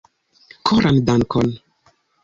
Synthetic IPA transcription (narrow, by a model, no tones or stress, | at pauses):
kʰɔɾandankʰɔn